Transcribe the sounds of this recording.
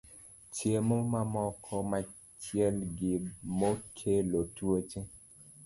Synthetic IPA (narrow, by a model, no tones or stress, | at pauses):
t͡ʃemomamɔkʰɔma | t͡ʃjɛlɡɪmokʰelotwot͡ʃe